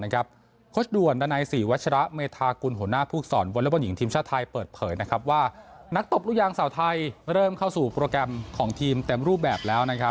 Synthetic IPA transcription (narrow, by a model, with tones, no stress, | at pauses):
na˥kʰa˦˥p̚ | kʰoː˦˥sdu˨˩əndaː˧naː˧jsiː˩wa˦˥t̪̚t͡ɕʰa˧ɾa˦˥ʔmeː˧t̪ʰaː˧ku˧nɦu˨˩˦naː˥˩pʰuː˥˩k̪̚sɔ̰ː˩˦nwo˧nla˦˥bɔ˧nji˩˦ŋt̪ʰiː˧mt͡ɕʰaː˥˩t̪ʰa˧jpɤː˨˩t̪̚pʰɤː˩˦jna˦˥kʰa˦˥p̬̚waː˥˩na˦˥k̚t̪o˨˩p̚lu˥˩jaː˧ŋsaː˩˦wt̪ʰa˧jɾɤː˥˩mkʰa˥˩wsuː˨˩pɾoː˧kɾɛ˧mkʰɔː˩˦ŋt̪ʰiː˧mt̪e˧mɾuː˥˩p̚bɛː˨˩p̚lɛː˦˥wna˦˥kʰa˦˥